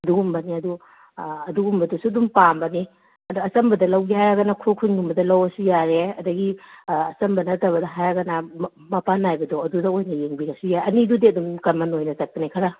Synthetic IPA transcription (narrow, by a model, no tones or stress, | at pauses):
ɐduɡumbɐniɐdu | ɐduɡumbɐdusuɐdumpambɐni | ɐduɐsɐmbɐdɐlɐwɡiajaɡɐnɐkʰukʰunɡumbɐdɐlɐwɐsujaɾeɐdɐɡiɐsɐmbɐnɐtɐβɐdɐɦajaɡɐna | mɐpanajbɐdɔɐdudɐojnɐjeŋbiɾɐsujaɐnidudiɐdumkɐmanojnɐzɐk̚pɐnikʰɐɾa